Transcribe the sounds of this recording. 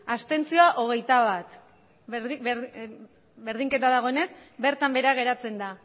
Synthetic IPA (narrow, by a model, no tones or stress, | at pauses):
ast̪e̞nt͡sio̞aʔo̞ɣ̞e̞jt̪aβat̪ | be̞ɾð̞iŋke̞t̪aðaɣ̞oene̞sbe̞ɾt̪ambe̞ɾaɣ̞e̞ɾat͡se̞nd̪a